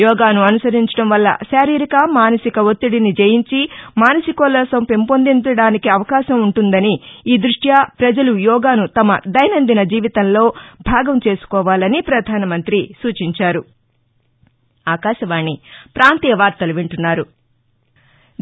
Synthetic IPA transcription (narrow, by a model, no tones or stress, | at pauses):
jɔːɡaːnuɐnusɐɾiɲt͡ʃɐ̥ɽɐmʋɐlːɐ̰ʃaːɾiːɾikɐmaːnɐsikɐot̪ːiɽinid͡ʒejiɲt͡ʃimaːnɐsikɔːlɐːsɐmpe̞mpond̪iɲt͡ʃɐɽaːnikiɐʋɐkaːʃɐmuɳʈund̪ɐniiːd̪ɾuʂʈjaːpɾɐd͡ʒɐlujɔːɡaːnut̪ɐmɐd̪ɐjɐnɐnd̪inɐd͡ʒiːʋit̪ɐnlo̞ːbʱaːɡɐmt͡ʃe̞ːsu̥kɔːʋaːlɐnipɾɐd̪ʱaːnɐmɐnt̪ɾisuːt͡ʃiɲt͡ʃaːɾu | aːkaːʃɐʋaːɳːipɾaːnt̪iːjɐʋaːɾt̪ɐluʋiɳʈunːaːɾu